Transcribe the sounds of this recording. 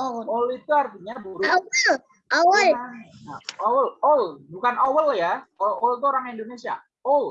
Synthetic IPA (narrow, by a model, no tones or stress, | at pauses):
olit̪uart̪iɲabuɾuwal | ʔawalnaowəlolbukanowəljaoowlt̪̬uoɾaŋindonesia | ol